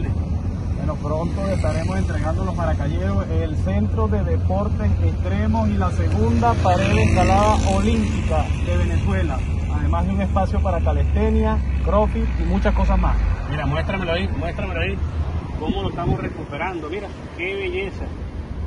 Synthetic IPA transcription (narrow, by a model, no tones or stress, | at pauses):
benopɾo̞nt̪ose̞st̪aɾe̞mose̞nt̪ɾe̞ɣand̪o̞lo̞zmaɾakaʝe̞ɾo̞seelse̞nt̪ɾo̞ðe̞ðe̞po̞ɾt̪e̞sest̪ɾe̞mo̞silase̞ɣund̪apaɾe̞ðeskalaðaʔolimpikaðe̞β̞e̞ne̞swe̞la | aðe̞mazðeuŋespasjo̞paɾakale̞st̪e̞njakɾo̞fiimũt͡ʃasko̞s̬azmasmiɾamwest̪ɾameloimwest̪ɾameloaikomo̞loest̪amosre̞kupe̞ɾand̪omiɾa | ke̞βe̞ʝe̞sa